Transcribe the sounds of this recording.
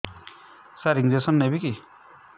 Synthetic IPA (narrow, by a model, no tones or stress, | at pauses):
saɾiŋd͡zesʌnːebiki